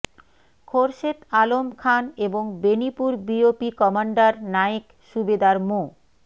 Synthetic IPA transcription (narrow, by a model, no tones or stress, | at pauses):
kʰoɾʃet̪alomkʰaneboŋbenipuɾbiopikɔmaɳɖaɾnaek | ʃubed̪aɾmo